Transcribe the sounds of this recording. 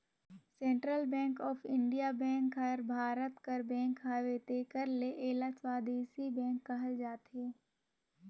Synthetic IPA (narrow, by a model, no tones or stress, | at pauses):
sẽːɳʈɾəlbɛ̃ːŋkɔːfʰɪ̃ɳɖijabɛ̃ːŋkɐɾbʱaːɾət̪kəɾbɛ̃ːŋkɦaːʋeːt̪eːkəɾleʔeːlaːswaːd̪iːsibɛ̃ːŋkːɐɦəld͡ʒaːt̪ɦeː